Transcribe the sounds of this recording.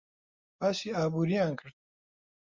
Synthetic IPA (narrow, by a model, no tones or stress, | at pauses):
baːsiːaːbuːɾijãːnkʰəɾt̪̚